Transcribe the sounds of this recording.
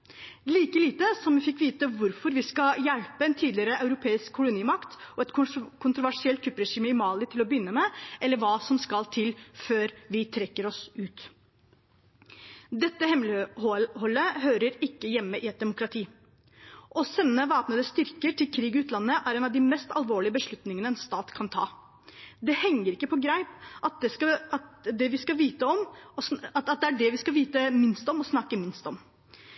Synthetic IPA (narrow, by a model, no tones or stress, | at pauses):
liːkəliːt̪əsɔmʋɪfɪkːʋiːt̪əʋʊɾfɔɾʋɪskɑjælpəɛnt̪ʰiːd̪lɪəɾəɑʉɾʊpʰeːɪskʰːʊlʊniːmɑkt̪ʔɔɛt̪kʰʊnt̪ɾʊʋæʂɪɛlt̪ʰɾʉpːɾɛʂiːmɪmɑːlɪt̪ʰɪlɔbʏnːəmɛʔɛlːəɾʋɑːsɔmskɑlt̪ʰɪlføːɾʋɪt̪ʰɾɛkːəɾɔsʉːt̪ | d̪ɛt̪ːəhɛmlɪhhɔlːəɦøːɾəɾɪkːəjɛmːəʔɪɛt̪̚d̪ɛmʊkɾɑt̪ʰiː | ʔɔsɛnːəʋɑːpnəd̪əst̪ʏɾkəʈʰɪlkʰɾiːɡɪʉːt̪lɑnːəʔæɾeːnɑʋd̪ɪmɛst̪ɑlʋoːɭɪəbəʂɭʉt̪nɪŋənəɛnst̪ɑːt̪kʰɑnt̪ʰɑ̰ː | d̪ɛhɛŋːəɾɪkːəpʰɔɡɾæɪpɑt̪̚d̪ɛskɑt̪d̪ɛʋɪskɑʋiːt̪əɔmɔsɑt̪ɑt̪̚d̪ɛæɖɛʋɪskɑʋiːt̪əmɪnst̪ɔmɔsnɑkːəmɪnst̪ɔm